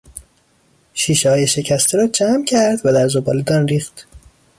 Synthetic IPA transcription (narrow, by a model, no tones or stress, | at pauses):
ʃiːʃehɒːjeʃe̞cʰæst̪ʰeɾɒːd͡ʒʰæmcʲʰæɾd̪væd̪æɾzobɒːled̪ɒːnriːxt̪